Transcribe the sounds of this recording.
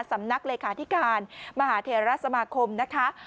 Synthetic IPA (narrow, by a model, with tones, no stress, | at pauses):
nsa˩˦mna˦˥k̚leː˧kʰaː˩˦t̪ʰi˦˥kaː˧nma˧haː˩˦t̪ʰeː˧ɾa˦˥sa˧maː˧kʰo˧mna˦˥kʰa˦˥